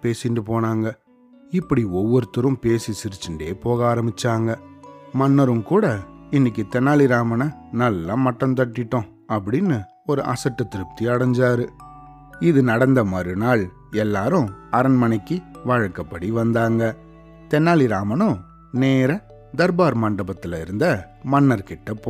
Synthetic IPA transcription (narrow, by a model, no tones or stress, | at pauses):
peːsɪndɯpoːnaːŋɡɐ | ɪpːɐɽiɔʋːɔɾɯt̪ːɯɾɯ̃mpeːsisɪɾɯt͡ʃːɯɳɖeːpoːɣaːɾɐmbɪt͡ʃːaːŋɡɐmɐnːɐɾɯmkuːɽɐɪnːɪk̬ːɯt̪ɛnːaːlɪɾaːmɐnɐnɐlːamɐʈːɐnt̪ɐʈːɪʈːʊ̃ | ɐpːɐɽɪnːɯ | ɔɾɯʔɐ̰sɐʈːɐt̪ːɪɾɯp̚t̪iɐɽɐɲd͡ʒaːɾɯ | ɪðɯnɐɽɐnd̪ɐmɐːɾɯnaːɭ | ɛlːaːɾʊ̃ɐɾɐnmɐnɛkːɯʋaːɻɐkːɐpːɐɽiʋɐnd̪aːŋɡɐ | t̪ɛnːaːliɾaːmɐnʊ̃ | neːɾɐ | d̪ɐɾbaːɾmɐɳɖɐbɐt̪ːɪlɐɪɾɯnd̪ɐ | mɐnːɐɾkɪʈːɐpːoː